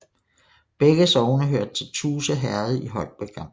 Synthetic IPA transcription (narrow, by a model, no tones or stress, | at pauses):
b̥eɡ̥əsɒʊnəɦøɐd̥̚t͡sʰe̝lt͡sʰuːsəɦæɐð̩ˠiɦɒ̽l̰̥̚b̥eɡ̥ʰɑ̈m̰